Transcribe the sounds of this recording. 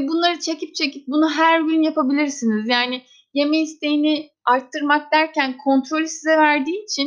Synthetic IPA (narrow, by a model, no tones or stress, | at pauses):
bunlˠaɾɯt͡ʃʰe̞cip̚t͡ʃʰe̞cip̚bunuɦæɾbʲylʲnjapabilʲiɾsinizjaːnɪ | je̞meist̪ʰe̞jini | aɾt̪ʰːɯɾmak̚d̪æɾcænkʰo̞nt̪ɾo̞lʲysizɛvæɾd̪iːt͡ʃʰin